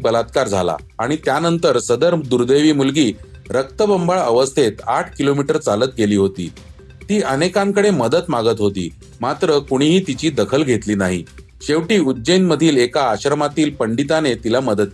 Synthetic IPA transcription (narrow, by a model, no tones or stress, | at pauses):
bəlat̪kaɾd͡zʱa̰la̰ | aɽ̃it̪janənt̪əɾsəd̪əɾd̪uɾd̪eʋiːmulɡiːɾək̚t̪əbəmbaɭəʋəst̪ʰet̪aʈʰkilomiʈəɾt͡salət̪̚keliːɦot̪ḭː | t̪iːʔənekãŋkəɽeməd̪ət̪maɡət̪ɦot̪ḭː | mat̪ɾəkuɽ̃iːɦiːt̪it͡ɕiːd̪əkʰəlɡʱet̪liːnaɦḭ | ɕeʋʈiːud̪ːd͡ʑəjnməd̪ʱiːlekaːɕəɾmat̪iːlpəɳɖit̪anet̪ilaməd̪ət̪̚